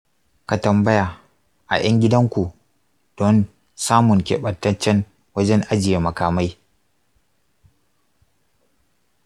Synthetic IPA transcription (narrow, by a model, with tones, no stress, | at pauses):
ka˨tɐ˨mbɐ˦ja˨ | ʔa̰˨j̰ɐ˦ŋɡʲɪ˦dɐ˦ŋkʷu˨ | d̥ɔ˦n | saː˦mʊ˨ŋkʲḛː˨ɓɐ˨tːɐ˦t͡ʃːɛ˦n | wɐ˦d͡ʒɛ˦ŋʔa˦d͡ʒɪ˨je˨mɐ˨kaː˨ma˦j